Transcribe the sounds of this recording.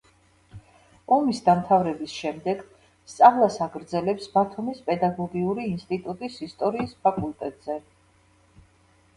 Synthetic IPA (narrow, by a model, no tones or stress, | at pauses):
ɔmisd̪amt̪ʰavɾɛbisʃɛmd̪ɛɡ̥ | st̪sʼavlˠasaɡɾd̪zɛlɛpsb̥at̪ʰumispʼɛd̪aɡɔɡiuɾiːnst̪ʼit̪ʼut̪ʼisist̪ʼɔɾiːspʰakʼult̪ʼɛt̪ʼz̥ɛ